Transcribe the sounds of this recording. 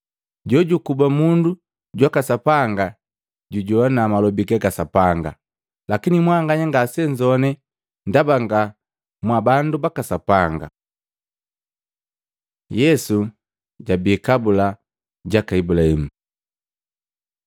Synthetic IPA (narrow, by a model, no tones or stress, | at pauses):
ɟɔɟukubamundu | ɟwakasapaŋɡa | ɟuɟɔanaːmalɔbikɛɡasapaŋɡa̰ | lakinimwaŋɡaɲaŋɡasɛɲd͡ʒɔnɛ | ndabaŋɡa | mwabandubakasapaŋɡa̰ | jɛsu | ɟabiːkabula | ɟakaibulahimu